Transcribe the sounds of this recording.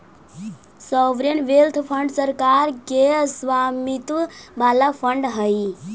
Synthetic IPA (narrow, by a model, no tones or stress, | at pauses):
sɔʋɾənʋelt̪ʰpʰəɳɖsəɾkaɾkesʋamit̪ubalapʰəɳɖɦəj